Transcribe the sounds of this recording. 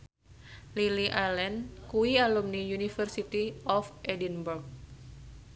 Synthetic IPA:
liliʔalɛnkuwialumnijunifərsit̪iɔfɛdinburk̚

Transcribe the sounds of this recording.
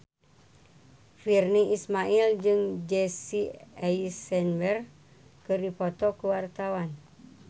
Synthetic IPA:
firniismaild͡ʒɨŋd͡ʒesiaisɛnbɛr | kɨrdipot̪ɔkəwart̪awan

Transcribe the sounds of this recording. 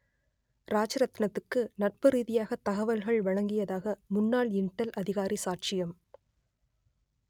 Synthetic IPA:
ɾaːt͡ʃɐɾɐt̪ːɪnɐt̪ːɯkːɯnɐʈ̚pɐɾiːðɪjaːɣɐt̪ɐɣɐʋɐlɣɐɭʋɐɻɐŋɡɪjɐðaːɣɐmʊnːaːɭɪɳʈːɐlʔɐðɪɣaːɾisaːʈ̚t͡ʃɪjɐm

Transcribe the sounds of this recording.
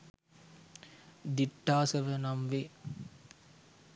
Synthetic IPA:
d̪iʈːaːsɐʋənamʋe

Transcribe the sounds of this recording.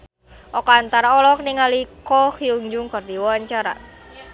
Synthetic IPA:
ʔɔkɔant̪aɾaɔlɔk̚niŋalikɔkiuɲd͡ʒʊŋkərd̪iwɔaɲt͡ʃaɾa̰

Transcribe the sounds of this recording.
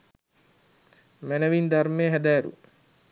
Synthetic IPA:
mænəʋind̪armeːɦæd̪æːɾṵ

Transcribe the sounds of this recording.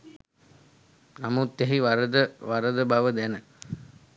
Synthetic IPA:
namut̪ːæɦiʋaɾəd̪əʋaɾəd̪əbaʋəd̪ænə

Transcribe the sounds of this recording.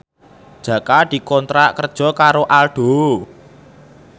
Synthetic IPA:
d̥ʒ̥ä̤kad̪̥i̤kɔnt̪ɾaʔkərd̥ʒ̥ɔ̤kaɾoʔalɖ̥o̤

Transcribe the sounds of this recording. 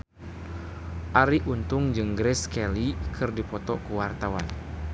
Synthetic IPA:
ʔaɾiʔunt̪ʊŋd͡ʒɨŋɡɾɛskɛlikʰɨrdipɔt̪ɔkuwart̪awan

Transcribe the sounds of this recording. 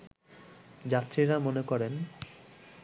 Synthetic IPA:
d͡ʑat̪ːɾiɾamonekɔɾen

